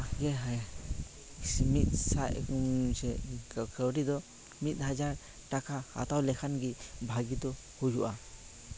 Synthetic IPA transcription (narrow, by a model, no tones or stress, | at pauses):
ɡɛɦ | smit̪̚saʔsɛkʰəwɾid̪ɔ | mit̪̚ˀhad͡ʒaɾ | ʈakʰaha̰t̪awlɛkʰanɡibʱaɡid̪ɔ | hujuʔa